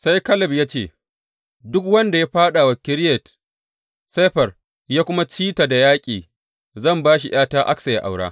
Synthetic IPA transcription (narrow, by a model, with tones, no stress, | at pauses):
sa˦jkɐ˦lɐ˨bjaː˦t͡ʃeː˦˨ | dʊ˦kwɐ˦nda˨ja˦ɸaː˦ɗa˨wa˨kʲɪ˦ɾjɛ˨t | se˦ɸɐ˨r | jaː˦kʷʊ˦ma˦t͡ʃiː˦ta˨da˨jaː˦kʲʼiː˨ | zɐ˦˨mbaː˦ʃi˨j̰aː˦taː˦ʔa̰˦ksɐ˨ja̰˦˨ʔa̰˨wɽa̰ː˦